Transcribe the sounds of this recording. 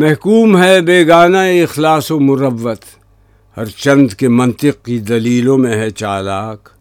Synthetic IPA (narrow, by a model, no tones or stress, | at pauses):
mɛɦkuːmɦɛbeːɡaːnaeɪxlaːsomʊɾɐʋːət̪ | hɐɾt͡ʃɐ̃nd̪kemɐ̃nt̪ɪq̚kid̪ɐliːlõmẽɦɛt͡ʃaːlaːk